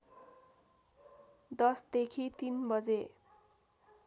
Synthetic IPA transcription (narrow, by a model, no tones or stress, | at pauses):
d̪ʌsd̪ekʰit̪inbʌd͡ze